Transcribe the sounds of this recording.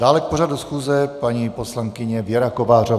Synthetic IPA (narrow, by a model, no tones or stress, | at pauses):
d̥aːlɛk̚poʒadusxuːzɛpaɲiposlaŋkɪɲɛvjɛɾakovaːr̝o